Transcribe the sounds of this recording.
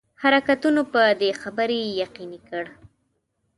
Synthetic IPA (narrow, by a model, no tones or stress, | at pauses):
haɾakat̪unopəd̪exabaɾeejaqinikəɽ